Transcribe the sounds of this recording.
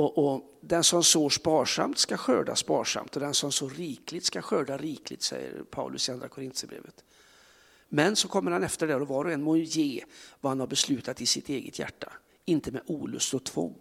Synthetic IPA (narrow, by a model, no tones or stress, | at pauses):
ɔʔɔ | d̪ɛnsɔmsoːʂpɑːʂa̰mt̪skaɧøːɖa̰spɑ̰ːʂa̰mt̪ɔd̪ɛnsɔmsɔːɾiːklɪt̪skaɧøːɖaɾiːklɪ̰t̪sɛ̰jːə̰ɾpʰa̰ʊlʔɵsɪand̪ɾakʰʊɾɪnt̪səbɾḛːvət̪ | mɛnsɔkʰɔmːəɾhanɛft̪əɖɛɾɔvɑːɾɔɛnːmoːjeːvahanhaɾbɛslʉ̟ːt̪at̪ɪsɪt̪eːɡət̪ʰjæ̰ʈːa | ɪnt̪əmɛʔuːlɵ̰st̪ɔt̪ʰvɔ̰ŋː